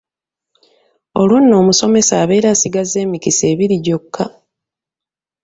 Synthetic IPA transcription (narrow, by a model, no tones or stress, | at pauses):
o̞lwunːo̞ːmuso̞me̞saːβe̞ːɾasiɡaze̞ːmikise̞ːβiɾiɟo̞kʰːa